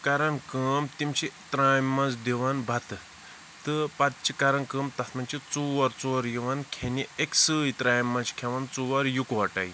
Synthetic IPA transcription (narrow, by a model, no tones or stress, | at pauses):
kɐɾɐnkəːmt̪imt͡ʃʰit̪ɾaːjmːɐnzd̪iʋɐnbʱɐt̪ɨ | t̪ɨpɐt̪̚t͡ʃʰikɐɾɐnkɨːmt̪ɐt̪ʰmɐnt͡ʃʰit͡suʋɐɾt͡suːɐɾjiʋɐnkʰenieksɨːjt̪ɾaːjmːɐnt͡ʃʰkʰeʋɐnt͡suʋɐɾjukʋɐʈɐ̰ji